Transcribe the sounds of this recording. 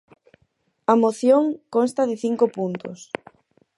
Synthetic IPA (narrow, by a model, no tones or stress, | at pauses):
ɐmoθjoŋkonst̪ɐðɪθiŋkopunt̪ʊs